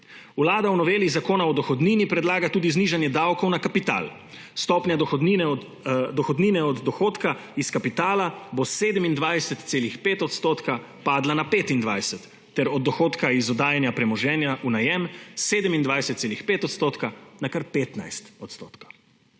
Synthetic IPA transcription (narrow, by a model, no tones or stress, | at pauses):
wlaːd̪awnɔʋeːlizakoːnaɔd̪ɔxɔd̪niːnipɾɛd̪laːɡat̪uːd̪izniʒanjɛd̪awkɔwnakapit̪a̰ːl | st̪ɔːpnʲjad̪ɔxd̪inɛ | d̪ɔxɔd̪niːnɛɔd̪ːɔxoːt̪kaiskapit̪aːlaboseːd̪ɛmind̪ʋajsɛt̪t̪seːlixpeːt̪ɔt̪st̪oːt̪ka | paːd̪lanapeːt̪ind̪ʋajsɛt̪ːɛɾɔd̪̚ːɔxoːt̪kaizɔd̪aːjɛnjapɾɛmɔʒɛːnjaʔunajɛmseːd̪ɛmind̪ʋajsɛt̪t̪seːlixpeːt̪ɔt̪st̪oːt̪kanakaɾpeːt̪na̰jst̪ɔt̪st̪oːt̪kḁ